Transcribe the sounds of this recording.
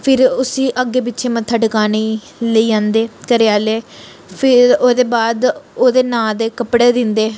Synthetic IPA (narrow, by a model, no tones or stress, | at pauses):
pʰɪɾʊsĩːʔəɡːeːbɪtːt͡ʃʰeːmət̪ʰːaːɖəkaːniː | ləiːãːnd̪eːkəɾɪjaːleː | pʰɪɾoːd̪eːbaːd̪oːd̪eːnaːd̪eːkəpɽeːd̪ɪnd̪eː